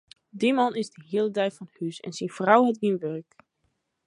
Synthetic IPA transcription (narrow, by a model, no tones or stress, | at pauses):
dimɑnɪzdəɦiəlˠədɛjfɔnhysɛ̰nsinfrawɦɛtɡinʋørk